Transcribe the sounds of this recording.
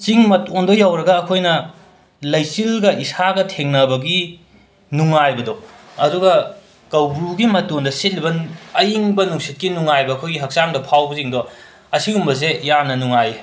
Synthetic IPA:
t͡ʃiŋmɐtondojawɾɐɡɐːkʰojnɐ | lɐjsilɡɐʔisaɡɐtʰeŋnɐbɐɡi | nuŋajbɐdɔ | ɐduɡɐ | kɐwbɾuɡimɐtoŋdɐset̚libɐnɐjiŋbɐnuŋsit̚kinuŋajbɐːkʰojɡiɦɐk̚saŋdɐpʰawbɐziŋdo | ɐsiɡumbɐzejanɐnuŋaje

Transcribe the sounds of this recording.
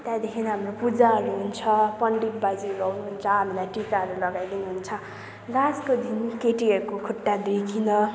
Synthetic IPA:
t̪ãd̪ekʰinɦamropud͡zaɦʌɾuɦunt͡sʰʌpʌɳɖip̚bad͡ziulʌwnuɦunt͡sʰʌɦamilajʈikaɦʌɾulʌɡajd̪inuɦunt͡sʰʌ | laskod̪inkeʈiʌɾukokʰuʈːad̪ɾikʰinʌ

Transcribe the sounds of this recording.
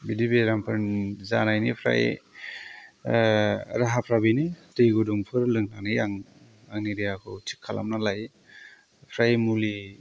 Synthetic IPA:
bidibeɾampʰɯɾnzanajnipʰɾa̰j | ɾaɦapʰɾabinitɯjɡuduŋpʰɯɾlɯŋnanɯjaŋ | aŋniɾijakʰɯtʰi̥kʰːalʔa̰mnalaj | pʰɾajmuli

